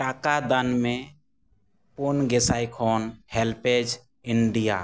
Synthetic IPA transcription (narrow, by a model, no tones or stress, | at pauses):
ʈaːkad̪ənmẽ | ponɡesaikʰonhelped͡ʒ | ɪɳɖija̰